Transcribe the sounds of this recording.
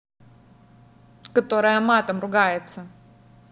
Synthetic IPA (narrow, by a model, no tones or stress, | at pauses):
kɐt̪o̞ɾəjəmat̪əmrʊɡajɪt̪sə